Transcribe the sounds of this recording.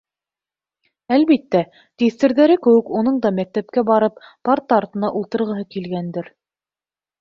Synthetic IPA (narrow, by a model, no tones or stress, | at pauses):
ælβit̪ːæ | t̪iθt̪ɘ̆ɾðæɾɘkɘ̆wɘkunɤɴd̪ɑmæk̚t̪æp̚kæbɑɾɤppaɾt̪ɑɾt̪ɤ̆nɑʔulˠt̪ɤ̆ɾʁɤ̆ɦɤkilɡænd̪ɘɾ